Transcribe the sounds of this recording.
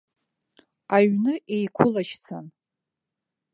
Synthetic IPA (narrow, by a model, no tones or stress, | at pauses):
aɥnɨʔejkʷʰʊlaʃt͡sʰan